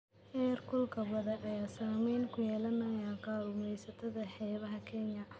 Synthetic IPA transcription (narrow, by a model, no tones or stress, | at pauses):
hɛːrkʰʊlkʰɐwɐðɐʔɐjaːsaːmɛjlkʰʊjɛːlɐnɐjaːqɑːɾʊmɛjsɐt̪ʰɐðɐħɛːβɐɦɐkʰɛnjɐ